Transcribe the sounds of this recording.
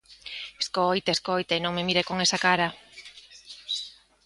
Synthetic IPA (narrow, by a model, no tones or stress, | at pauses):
eskojt̪aeskojt̪ainõŋmemiɾekoŋesakaɾa